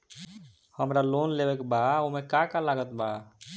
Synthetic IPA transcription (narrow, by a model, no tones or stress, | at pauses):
həmɾalonlebekbaomẽkakalaɡət̪ba